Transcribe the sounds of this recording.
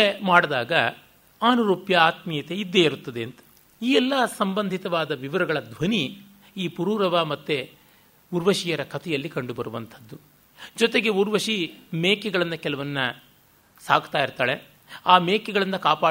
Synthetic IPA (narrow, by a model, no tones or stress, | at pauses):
emaːɽd̪aːɡɐ | aːnuɾuːpjɐaːt̪mijɐt̪eid̪ːejiɾut̪ːɐd̪eɐnt̪ɐ̥ | iːɛlːɐsɐmbɐnd̪ʱit̪ɐʋaːd̪ɐʋiʋɐɾɐɡɐɭɐd̪ʋɐni | iːpuɾuːɾɐʋamɐt̪ːe | uɾʋɐʃijɐɾɐkʰɐt̪ʰɛjɐlːikɐɳɖubɐɾuʋɐnt̪ʰɐd̪ːu | d͡ʒɔt̪e̞ɡe̞uɾʋɐʃimeːkɛɡɐɭɐnːɐkɛlɐʋɐnːɐ | saːɡt̪aːjiɾt̪aːɭe̞ | aːmeːkɛɡɐɭɐnːɐkaːpaː